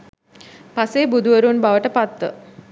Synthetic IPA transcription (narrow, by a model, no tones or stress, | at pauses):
paseːbud̪uʋəɾunbaʋəʈəpat̪ʋə